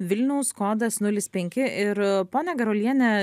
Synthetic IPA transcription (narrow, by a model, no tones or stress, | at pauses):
ʋʲɪlʲnʲɐʊskoːd̪ɐsnʊlʲɪspʲɛŋʲkʲɪʔɪɾpoːnʲɛɡʲɐɾolʲiɛnʲɛ